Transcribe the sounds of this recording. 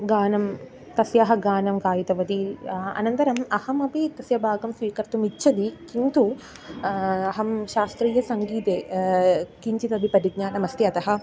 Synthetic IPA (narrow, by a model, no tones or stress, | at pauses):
ɡaːnɐm | t̪ɐsjɐɦɐɡaːnɐmkaːjit̪ɐʋɐd̪iɐ̰nɐnt̪ɐɾɐmɐhɐmɐpit̪ɐsjɐbʱaːɡɐmsʋiːkɐɾt̪umitːʃʰɐd̪ikint̪u | ɐɦɐmʃaːst̪ɾiːjɐsɐŋɡiːt̪eː | kiɲt͡ʃit̪ɐbʱipɐɾiɡ̚ɲaːnɐmɐst̪iɐt̪ɐɦɐ̆